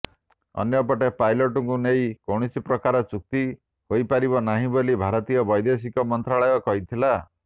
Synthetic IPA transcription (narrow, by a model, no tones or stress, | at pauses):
ɔ̰njɔpɔʈepajlɔʈɔŋkunejkɔwɽ̃isipɾɔkaɾɔt͡ʃuk̚t̪i | hojpaɾiβɔnaɦĩbolibʱaɾɔt̪ijɔbɔjd̪es̬ikɔmɔnt̪ɾaɭɔjɔkɔɦit̪ʰila